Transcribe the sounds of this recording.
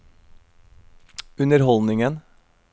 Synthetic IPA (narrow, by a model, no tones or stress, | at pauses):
ʉnəɾhɔlnɪŋən